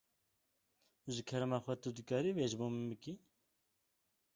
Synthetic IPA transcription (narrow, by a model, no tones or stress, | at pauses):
ʒɨkʰɛɾɛmɑːxʷɛt̪ɨd̪ɨkɑːɾiveʒboːmɨmbɨki